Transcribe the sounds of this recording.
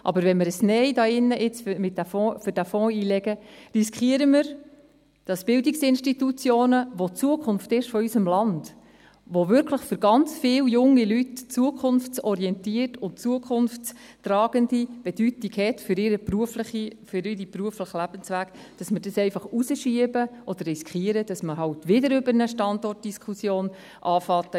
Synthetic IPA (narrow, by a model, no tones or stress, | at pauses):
ʔɑ̰bəɾvɛnməɾəsnɛɪdɑːɪnːəʔɪt͡sfmɪt̚ːæfɔ̃ːfʏɾd̥æfɔ̃ːiːlɛɡ̥əriskχiəɾəməɾ | d̥ɑsb̥ɪldiksɪnʃtitut͡sjoːnəʋot͡suəkʰχʊnftɪʃfɔysəmlɑnd̥ | ʋovʏɾkʰləχfʏɾɡɑnt͡sfɪːljʊŋːilytt͡suəkʰʊnft͡sɔɾiɛntiərtʊnt͡suəkʰχʊnft͡s | trɑːɡ̥əndib̥ed̥ytiɡhɛtfʏɾɪɾəpɾuəfləχifʏɾiɾipɾuəfləχəlæb̥ənsʋæːk | d̥ɑsməɾdɑsɛɪfɑχusəʃiəbəʔɔd̥̪əɾrːiskʰiəɾəd̥ɑsməɦɑwtʋɪdəɾʏbəɾnəʃtɑndɔrt̚d̥iskʰusjoːn | ʔɑːfɑtə